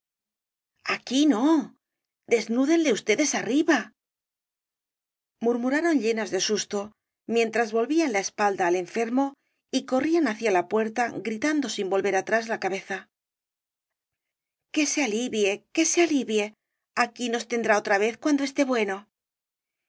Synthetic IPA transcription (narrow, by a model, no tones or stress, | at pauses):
akino̞ | d̪e̞znuðe̞nle̞ust̪e̞ðe̞sariβa | muɾmuɾaɾo̞nʎe̞nazðe̞sust̪o̞ | mje̞nt̪ɾazβo̞lβianlae̞spald̪aːle̞ɱfe̞ɾmo̞ | iko̞rianaθjalapwe̞ɾt̪aɡɾit̪and̪o̞simbo̞lβe̞ɾat̪ɾazlakaβe̞θa | ke̞sealiβje̞ke̞sealiβje̞ | akino̞st̪e̞nd̪ɾao̞t̪ɾaβ̞e̞θkwand̪o̞e̞st̪e̞βwe̞no̞